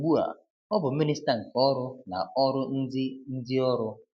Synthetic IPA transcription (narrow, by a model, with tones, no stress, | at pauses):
ɡ͡bu˦a̰˨ | ɔ˦bʊ˨mi˦ni˦sta˦ŋ̩˨kɔ˦ɾʊ˦na̰˨ɔ˦ɾʊ˦n̩˦i˦n̩˦dɪ˦ɔ˦ɾʊ˦